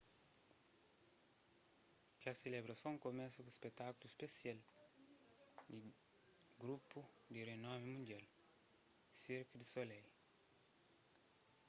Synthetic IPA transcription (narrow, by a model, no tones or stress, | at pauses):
kaselebɾasõŋkomɛsɐkuispet̪akuluispesjal | d̪i | ɡɾupu | d̪irenõmimũndial | siɾkid̪isolɛj